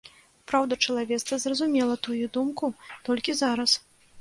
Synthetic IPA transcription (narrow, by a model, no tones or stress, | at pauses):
pɾawd̪ɐt͡ʂɐlˠavʲɛt̪st̪vɐzrɐzumʲɛlˠɐt̪ujud̪umkut̪ɔlʲkʲizaɾɐs